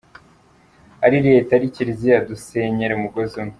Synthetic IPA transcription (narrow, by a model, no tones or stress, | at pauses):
aɾiɾe̞ːtaɾiciɾizijaduseɲeɾeumuɡozimi